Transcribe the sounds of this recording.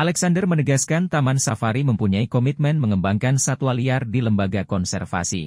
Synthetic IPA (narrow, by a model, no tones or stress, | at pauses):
ʔalɛksandərmənəɡaskant̪amansafaɾiməmpuɲaikɔmit̪̚mɛnməŋəmbaŋkansat̪uwaliardiləmbaɡakɔnsɛrfa̰sḭ